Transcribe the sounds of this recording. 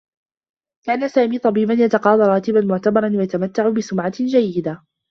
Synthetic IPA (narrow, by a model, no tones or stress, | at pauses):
kaːnasaːmiːt̪ˤɑbiːbanjat̪ɑqɑːd̪ˤɑɾˤɑːt̪ɪbanmʊʕt̪abɑɾˤɑnwajat̪amat̪ːaʕʊbɪsʊmʕad͡ʒajːɪd̪a